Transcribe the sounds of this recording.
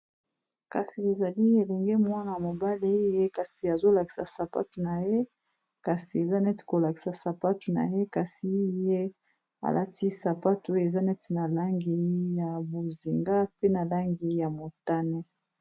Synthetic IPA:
ka̰˨si˨e˨za˨li˦e˨lɛ˨ŋɡɛ˦mwa˦na˨ja˨mo˨ba˦li˦je˦ka˨si˨a˨zo˦la˨ki̥˨sa̰˨sa˨pa̰˦tu˨na˨je˦ | ka˨si˨e˨za˦nɛ˦ti̥˨ko˨la˨ki̥˨sa˨sa˨pa˦tu˨na̰˨je˦ka˨si˨˦je˦ | a̰˨lʔa˦tʰi˦sa˨pa˦tu˨e˨za˦nɛ˦ti˨na˨la˦ŋɡi˨ja˨bo˨zi˨ŋɡa˦pe˦na˨la˦ŋɡi˨ja˨mo˨ta˦ne˦

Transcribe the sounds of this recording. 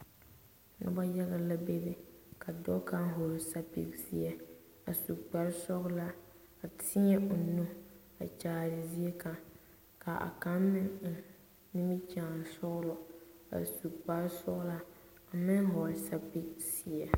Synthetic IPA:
nʊ̰˦ba˦ja˦ɣa˦la˦be˦dɪ˦ka˨dɔ˦ka˦ŋ˦ɦo˨ɾsa˦pḭ˦ksi˦ɛ˦ | a˨su˨kk͡pa˨ɾsɔ˦ɣʊ˦la˦ | a˨tʰɪ˦ɲɛ˦ʔʊ˨nu˦ | a̰˨t͡ʃaː˨ɾɪ˨zi˦e˦ka˨ | ka˨ʔa̰˨ka˦mmɪ˦ŋʊ˨ | ni˦mi˦t͡ʃaː˨n˨sɔ˦ɣʊ˦lʊ˦a̰˨su˨kk͡pa˨˦ɾsɔ̰˦ɣla˦a˨mɪ˦ŋɦɔ˨sa˦pi˦ksi˨ɛ˨

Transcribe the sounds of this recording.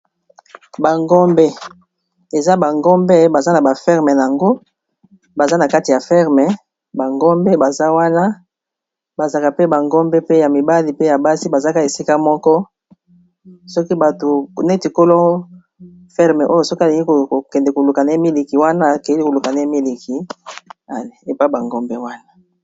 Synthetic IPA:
ba˨ŋɡɔ˦mbe˦ | e˨za˦ba˨ŋɡɔ˦mbe˦ba˨za˦na˨ba˨fɛ˦ʁmɛ˨n˨a˨ŋɡo˦ | ba˨za˦na˨ka˦ti˨ja˨fɛ˦ʁmɛ˨ | ba˨ŋɡɔ˦mbe˦ba˨za˦wa˦na˦ | ba˨za˨ka˨pe˦ba˨ŋɡɔ˦mbe˦pe˦ja˨mi˨ba˦li˨pe˦ja˨ba˦si˦ba˨za˦ka˨e˨si˦ka˦mɔ˦kɔ˦ | sɔ˦ki˦ba˨to˨nɛ˦ti˨ko˦lo˦ | fɛ˦ʁmɛ˨ʔo˦jo˦˨sɔ˦ki˦a˨li˨ŋɡi˦ko˨o˨kɛ˨ndɛ˨ko˨lu˨ka˨na˨e˦mi˦li˨ki˨wa˦na˦˨kɛ˨jli˦ko˨lu˨ka˨na˨e˦mi˦li˨ki˨ | a˨e˨e˨pa˦i˦ba˨ŋɡɔ˦mbɛ˦wa˦na˦

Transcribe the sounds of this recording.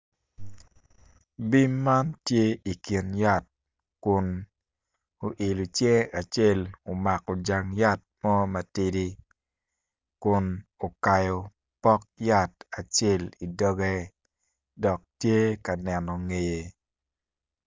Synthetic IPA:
bi˦mːa˦ntje˦i˨ki˨nja˦t̚ | kʊ˨n | o˨ʔe˨lu˨t͡ʃje˦a˨t͡ʃe˦˨lo˨ma˨kɔ˨d͡ʒa˨ŋja˦t̚mɔ˦ma˨ti˦di˦ | kʊ˨no˨ka˨jɔ˨ | pɔ˦k̚ja˦ta˨t͡ʃe˦˨li˨dɔ˦ɡɛ˦ | dɔ˨k̚tje˦ka˨nɛ˨nɔ˨ŋe˨je˨

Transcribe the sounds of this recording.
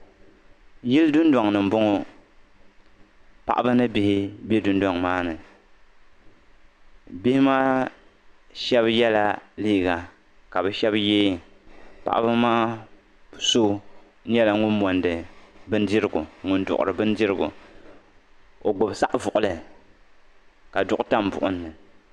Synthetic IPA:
ji˦ldʊ˦ndwa˨ŋnɨ˨m̩˨bʊ˦ŋɔ˦ | pa̰˨ʔa˦bɨ˦nɨ˦bi˦hɪ˦be˦dʊ˦nda˨ŋmaː˦nɨ˨ | bi˦hɪ˦maː˦ | ʃɛ˦bjɛ˦la˦liː˦˨ɡa˨ | ka˨bɛ˨ʃɛ˦bjeː˦˨ | pa̰˨ʔbɨ˦maː˦˨ | so˦ | n̩˦ɲɛ˦la˨ŋʊ˦nmɔ˨ndɨ˨bɨ˦ndɪ˦ɾɨ˦ɡʊ˨ŋʊ˨ndʊ̰˨ʔʊ̰˨ɾɨ˨bɨ˦ndi˦ɾɨ˦ɡʊ̰˨ | o˨ɡ͡bo˨bsa˦ʔvʊ˨ʔʊ˨lɨ˨ | ka˨dʊ˦ʔʊ˦ta˦mbʊ̰˨ʔʊ̰˦nː˦ɨ˨

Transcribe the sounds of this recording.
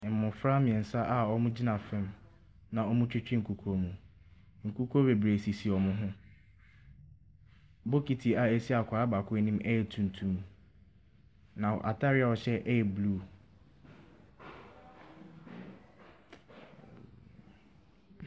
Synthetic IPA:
mʊ̃˨fɾa˦mɪ̃˨ɛ̃˨n̩˨sa˦ʔa˨ɔ˦mũ˦d͡ʑi˦nã˨fɛ̃˦m | nã˨ɔ˦mũ˦t͡ɕᶣɪ˦t͡ɕᶣɪ˦ŋ̩˨kʰu˨kʰo˦mũ˨ | ŋ̩˨kʰu˦kʰo˦be˨bɾe˨si˨si˨ɔ˨mʊ̃˦ɦʊ̃˦ | bo˦kʰi˨tʰi˨a˨e˦si˦a˨kʷʰa˨a˦ba˨kʰʊ̃˦nĩ˦mɛ˦jɛ˨tʰũ˨n˨tʰũ˦m | nã˨ʔa̰˨tʰa˦ɾɪ˦a˨ɔ˨ɕɛ˦ʔjɛ˨bluː˦˨

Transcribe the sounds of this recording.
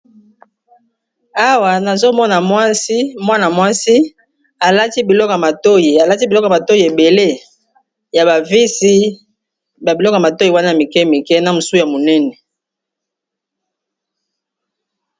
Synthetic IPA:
a˦wa˨na˨zo˦mɔ˦na˨mwa˦si˦mwa˦na˨mwa˦si˦ | a˨la˦ti˦bi˨lɔ˦kɔ˨ja˨ma˨to˦ji˨a˨la˦ti˦bi˨lɔ˦kma˨to˦ji˦˨e˨be˨le˦ | ja˨ba˨vi˦si˦ | ba˨bi˨lɔ˦ka˨ma˨to˦ji˨wa˦na˦ja˨mi˨kɛ˦mi˨kɛ˦na˨mu˨su˦ja˨mo˨nɛ˦nɛ˨

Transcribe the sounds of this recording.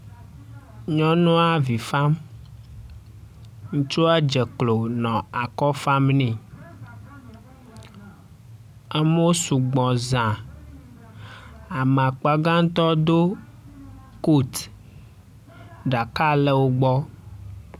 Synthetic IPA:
ɲɔ̃˦nũ˦a˦vi˨fa˦m | ŋũ˦t͡ʃu˦a˦d͡ʒɛ˨klo˨nɔ̃˨a˨kɔ˦fa˦mnĩ˨ | a˦m˦o˦su˨ɡ͡bɔ̃˨zã˨ | a˨m˨a˨k͡pa˦ɡã˦ŋ˦t̪ɔ˦d̪o˦ | ko˦t̪ | ɖa˨ka˦lɛ˦wo˦ɡ͡bɔ˦

